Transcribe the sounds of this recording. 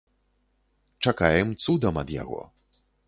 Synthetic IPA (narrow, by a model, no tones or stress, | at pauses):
t͡ʂakajɛmt̪sud̪ɐmɐd̪ja̰ɣɔ̰